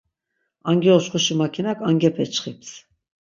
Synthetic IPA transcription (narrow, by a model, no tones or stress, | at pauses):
aŋɡɛɔʃχuʃimakʰinakʰaŋɡɛpʰɛt͡ʃχip̚t͡s